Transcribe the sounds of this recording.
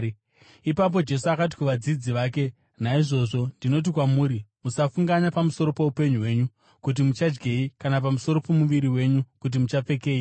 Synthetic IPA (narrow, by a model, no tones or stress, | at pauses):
ipap̬o̞d͡ʒe̞suakat̬i̥kuʋad͡zid͡ziʋaːke̞ | naiʐo̞ʐo̞ndino̞t̬ikwamuːɾimusafuŋɡaɲapamuso̞ɾo̞pe̞upe̞ɲuɦwe̞ːɲu | kut̬imut͡ʃad͡ʒɡeikanap̬amuso̞ɾo̞po̞muʋiɾiwe̞ɲukut̬imut͡ʃap͡fe̞ke̞ːi